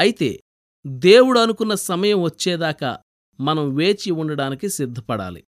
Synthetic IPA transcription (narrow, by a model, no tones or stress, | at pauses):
ɐjit̪e̞̰ː | d̪e̞ːwuɽuɐnukunːɐsɐmɐjɐmʋɐt͡ʃːɛːd̪aːkɐ̰ | mɐnɐmʋe̞ːt͡ʃiuɳɖɐɽaːnikisid̪ʱːɐpɐɽa̰ːlḭ